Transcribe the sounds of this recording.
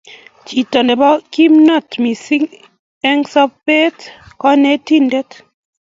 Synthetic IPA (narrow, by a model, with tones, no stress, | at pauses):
t͡ʃi˨tɔ˨ndɛ˨bɔ˦ki˦mnɔ˦˨tmi˨si˦ŋ | ɛ˦ŋsɔ˦pe˦tkɔ˦ne˦ti˦ndɛ˦t